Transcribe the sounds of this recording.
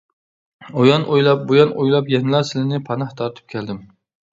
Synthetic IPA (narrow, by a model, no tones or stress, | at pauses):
ojɑnʔojlˠɑp̚bojɑnojlˠɑpjɛnlˠɑɾsɪlɪnɪpʰɑnɑht̪ʰɑɾt̪ʰɨ̥p̚kʲʰɛld̪ɪm